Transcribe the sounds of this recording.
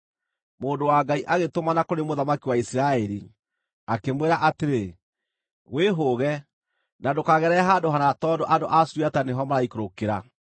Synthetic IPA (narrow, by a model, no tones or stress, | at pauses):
moːndowaŋɡaiʔaɣetomanakoɾemoðamakiwaisiɾaɛɾi | akemweɾaʔateɾe | weɦoɣɛ | nadokaɣɛɾɛɦandoɦanatɔːdoʔadoʔaswataneɦɔmaɾaikoɾokeɾa